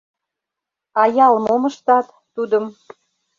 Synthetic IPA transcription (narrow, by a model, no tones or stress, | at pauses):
ɑjɑlmomə̆ʃt̪ɑt̪ːud̪ə̆m